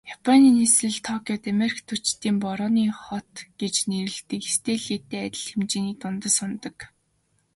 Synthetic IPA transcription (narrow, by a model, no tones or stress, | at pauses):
japʰɔniːnesɘ̆ɮt̪ʰɔkʰʲiɔt̪ameɾikt̪ʰut͡ɕt̪iːmpɔɾɔːniːχɔt̪ɡ̥et͡ɕneɾɘ̆ɮt̪ɘ̆kest̪ʰeːɮiːt̪eːæt̪ʲɪ̆ɮxemt͡ɕiːniːk̚t̪ʊnt̪ə̆sʊnt̪ɞ̆k